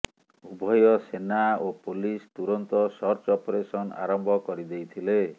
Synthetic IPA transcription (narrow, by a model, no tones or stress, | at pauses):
ubʱɔjɔsenaopolist̪uɾɔnt̪ɔsɔɾt͡ʃɔpoɾesɔna̰ɾɔmbʱɔkɔɾid̪ejt̪ʰile